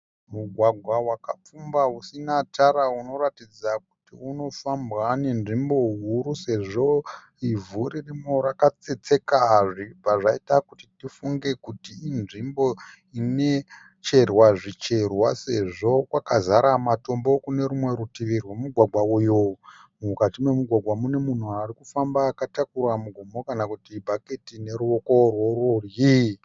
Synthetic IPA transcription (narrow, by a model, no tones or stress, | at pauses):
muɡʱwaɡʱwawakap͡fumbausinataɾauno̞ratid͡zak̚u̥tiuno̞fambwane̞nʐimbo̞ɦuɾuse̞ʐo̞ | ivuɾirimoɾakat͡se̞t͡se̞kaʐipaʐaitakutitifuŋɡe̞kutiːnʐimbo̞ | ine̞ | t͡ʃe̞rwaʐit͡ʃe̞rwase̞ʐo̞kwakazaɾamato̞mbo̞kune̞ɾumwe̞ɾutiʋirwemuɡʱwaɡʱwaujomukatimwemuɡʱwaɡʱwamune̞mun̤uaɾikufambaːkatakuramuɡʱomo̞kanakutibʱaketine̞ɾuo̞ko̞rwo̞rorji